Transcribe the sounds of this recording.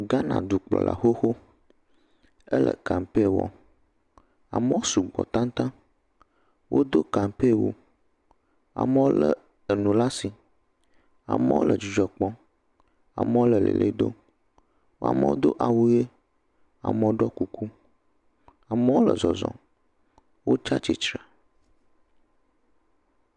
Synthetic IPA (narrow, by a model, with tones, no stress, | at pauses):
ɡa˦nã̰˨d̪u˨k͡plɔ̰˨la̰˨xo˦xo˦ | ə˦lʔə̰˨ka˨mpe˦˨wɔ̰˨ | a˨mə˦wo˦su˨ɡ͡bɔ̰˨t̪ã˦n˦t̪ã˦ | wʔo˦d̪o˦ka˨mpe˦˨wo˦ | a̰˨mə˦wo˦lə˨ | e˨nũ˨la˦si˨ | a̰˨mə̰˦wo̰˦lʔə˨d͡ʒu˨d͡ʒɔ˨k͡pɔ˦ | a̰˨mə˦wo˦lə˨lḛ˨lʔḛ˦d̪o̰˦ | wa̰˨mə˦wo̰˦d̪o̰˦ʔa˨wu˦je˦ | a̰˨mə˨wo˦ɖɔ˦ku˦kʰu˦ | a˨mə˦wo˦lə˨zɔ˨zɔ̰̃˨ | wo˦t͡ʃa˦t͡ʃi˦t͡ʃɾa˨